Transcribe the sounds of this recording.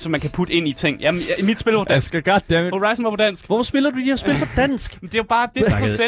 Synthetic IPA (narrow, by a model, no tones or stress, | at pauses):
sɒ̽mænkʰæpʰud̥əe̝n̰it͡sʰeŋ̰jæimid̥sb̥e̝lpʰɒ̥æsɡ̥æɡ̥ɒd̥ːeehoʁɑ̈ɪsn̩ɒpʰɒd̥æn̰sɡ̥ʋɒfɒ̽sb̥e̝lɐd̥ud̥iheɐsb̥e̝lpʰɒd̥æn̰sɡ̥m̩d̥e̝jʊb̥ɑ̈ːd̥e̝e